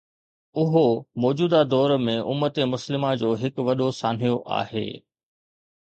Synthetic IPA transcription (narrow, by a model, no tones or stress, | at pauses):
ʊɦomɔːd͡ʑuːd̪ad̪ɔːɾmẽʔʊ̰mːət̪emʊslɪmad͡ʑoːɦɪkʋɐɗosaːn̤ijoʔa̰ːɦḛː